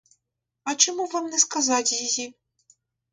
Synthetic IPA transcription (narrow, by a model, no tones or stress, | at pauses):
ɐt͡ʃɪmuvamnɛskazat͡sʲjiji